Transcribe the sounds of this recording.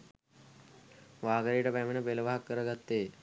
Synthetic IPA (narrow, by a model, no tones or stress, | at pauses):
ʋaːɡəɾijʈəpæmenəpeləʋaɦakːəɾəɡat̪ːeː